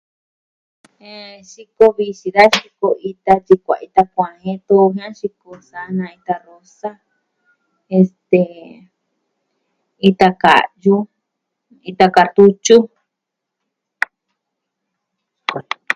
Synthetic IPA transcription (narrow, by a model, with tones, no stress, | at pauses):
e˨ʃi˧ko˧βi˧ʃi˨˧ða˦ʃi˧ko˧i˧t̪a˧t͡ʃi˧kʷa̰˨i˧t̪a˧kʷã˨hẽ˦t̪o˦˧hã˦ʃi˧ko˧sa˧nã˧i˧t̪a˧ro˧sa˦ | e˧st̪e˨ | i˧t̪a˧ka̰˨ju˧ | i˧t̪a˧ka˧t̪u˧t͡ʃu˦